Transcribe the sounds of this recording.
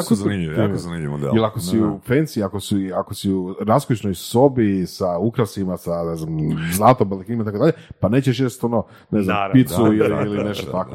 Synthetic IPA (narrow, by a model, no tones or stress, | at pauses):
akozniʎikozanimid̪ḛilakosiufensiakosuakosiuɾaskot͡ʃnojso̞bisaukɾasimasane̞zamzlˠat̪ombelekinimait̪akod̪aʎepaneːt͡ɕeʃ̬jest̪ono | neznmpit̪suiliilineʃt̪ot̪ako